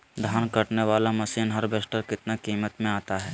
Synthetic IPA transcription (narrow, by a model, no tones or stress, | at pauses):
d̪ʱaːnkɐʈneʋaːlamɐsiːnɦɐɾbesʈəɾkɪt̪nakiːmət̪mẽaːt̪aɦɛː